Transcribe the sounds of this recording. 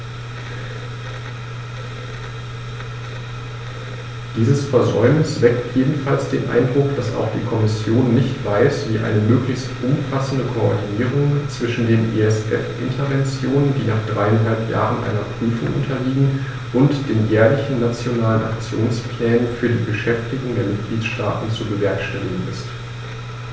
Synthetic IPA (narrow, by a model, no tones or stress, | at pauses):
d̥iːzəsfɛɐzɔʏmnɪsv̥ɛktʰjeːdn̩falsd̥eːnʔa̰ɪndʁʊkd̥asa̰ʊxd̥iːkʰɔmɪsjoːnːɪçtv̥aɪsv̥iːʔa̰ɪnəmøːklɪçstʔʊmfasn̩dəkʰoɔ̰ɐdiniːʁ̞ʊŋt͡sv̥ɪʃn̩deːnʔeːɛsʔɛ̰fʔɪ̰ntʰɐvɛnt͡sjoːnəndiːnaːχd̥ʁaɪanɦalpja̰ːʁənʔa̰ɪnɐpʁ̥yːfʊŋʔʊ̰ntʰɐliːɡŋ̩ | ʔʊntd̥eːnjɛːɐlɪçn̩nat͡sjonaːləna̰kt͡sjoːnspl̥ɛːnənfyːɐdiːbəʃɛftɪɡʊŋdeːɐmɪt̚ɡ̥liːtʃta̰ːtn̩t͡subəvɛɐkʃtɛlɪɡŋ̩ɪ̰st